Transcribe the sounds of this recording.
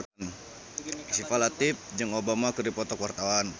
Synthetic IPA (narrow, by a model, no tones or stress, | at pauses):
n | sifalat̪ɪp̚d͡ʒəŋobamakɨrdipɔt̪ɔkwart̪awan